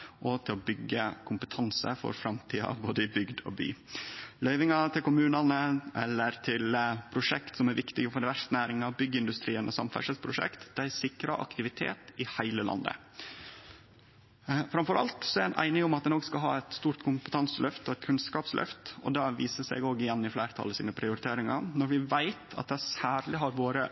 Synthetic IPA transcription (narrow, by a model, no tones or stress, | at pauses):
ʔɔt̪ʰɪlɔbʏɡːəkʰʊmpət̪ʰɑnsə̰fɔ̰ɾfɾɑmt̪ʰiːɑ̰boːd̪əɪbʏɡd̪ɔ̰by̰ːlœʏʋɪŋɑt̪ʰɪlkʊmʉːnɑnəʔɛlːəɾt̪ʰɪlpʰɾʊʂɛkt̪sɔmæɾʋɪkt̪ɪɡəfɔɾɖɛʋæʂt̪ənæːɾɪŋɑbʏɡːəɪnd̪ʉst̪ɾiːənʔɔsɑmfæ̰ʂəspʰɾʊʂɛ̰kt̪d̪̥æɪsɪkɾɑʔɑ̰kt̪ɪʋɪt̪ʰḛːt̪ɪhæɪləlɑ̰nd̪ə̰ | fɾɑmfɔɾɑ̰lt̪sɔæɾænʔæ̰ɪnɪŋʊmɑt̪̚d̪ɛnoːɡskɑlɦɑ̰ːɛt̪st̪uːɾt̪kʰʊmpə̥t̪ʰɑnsəlœft̪ɔɛt̪kʰʉnskɑːpslʔœ̰ft̪ɔ̰d̪ɑːʋiːsəsɛ̰ɡoːɡɪjɛnːɪflæːɾt̪ʰɑ̰lːəsḭːnəpʰɾɪʊɾɪt̪ʰeːɾɪŋɑ̰nɔɾʋɪʋæɪt̪ɑ̰t̪̚d̪ɛæsæːɾlɪɦɑɾʋoːɾə